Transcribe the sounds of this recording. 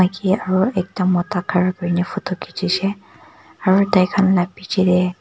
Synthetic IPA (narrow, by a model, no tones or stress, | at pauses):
akʰiaɹuɛk̚tamɔtakʰaɹakɔɹinɛfʰut̪ɔkʰːitʰisɛ | aɹudajkʰanlapːitʰidɛ